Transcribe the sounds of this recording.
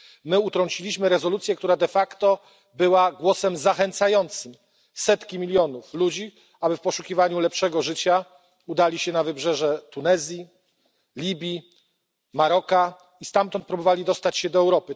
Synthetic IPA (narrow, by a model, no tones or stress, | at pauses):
mɘut̪ɾɔɲt͡ɕilʲiɕmɘɾɛzɔlut̪sʲjɛkt̪uɾad̪ɛfakt̪ɔ | bɘwaɡwɔsɛmzaxɛnt̪sajɔnt̪sɘm | sɛt̪kʲimʲilʲjɔnuflud͡ʑi | abɘfpɔʂukʲivaɲulɛpʂɛɡɔʐɘt͡ɕa | ud̪alʲiɕɛnavɘbʐɛʐɛt̪unɛzʲji | lʲibʲji | maɾɔka | ist̪amt̪ɔnt̪̚pɾubɔvalʲid̪ɔst̪at͡ɕɕɛd̪ɔɛwɾɔpɘ